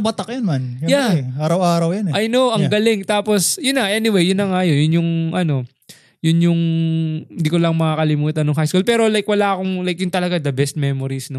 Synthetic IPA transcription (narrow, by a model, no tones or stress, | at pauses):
bɐt̪ɐkjɐnmanjɐjaʔaːɾɐwaːɾɐwjɐnɛʔajnowʔɐŋɡɐlɪŋt̪aːpo̞sjʊnːaʔɛnɪwejjʊnːɐŋaɐjojʊnjʊŋʔɐno̞ | jʊnjʊŋ | ɪnd̪ikolɐŋmɐŋakɐlɪmuːt̪ɐnːʊŋɦajskulpɛːɾo̞lajkwɐlaːɐkoŋlajkjʊŋt̪ɐlɐɡad̪ɐbɛst̪̚mɛmoɾisnɐ